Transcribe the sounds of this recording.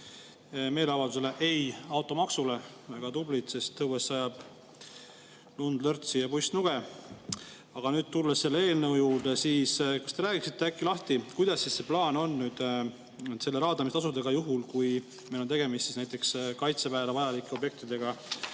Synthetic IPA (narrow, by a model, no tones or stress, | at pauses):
me̞ːleɑvɑld̪use̞le̞ʔe̞jɑwt̪ːˑo̞mɑksule̞ | eɡ̥ɑt̪ublit̪se̞st̪ːɤwesːɑjɑb̥ | lund̪lɤrt̪sijɑpujst̪nuɡ̥e̞ | ɑɡ̥ɑnyːd̪̥̚t̪ulːesːe̞lːee̞ːlnɤwjuːɾd̪esiːskɑst̪e̞ɾæːɡ̥iksit̪ːˑe̞ækːilɑht̪ikujd̪̥ɑsːisse̞plɑːno̞nːyːd̪̥ | se̞lːeɾɑːd̪ɑmiset̪ɑs̬ud̪eɡ̥ɑjuɦulkuj | me̞jlot̪e̞ɡe̞mist̪sisnæjt̪ːˑekskɑjt̪sepæːlɑvɑjɑlikːˑeo̞bje̞k̚t̪id̪e̞ɡɑ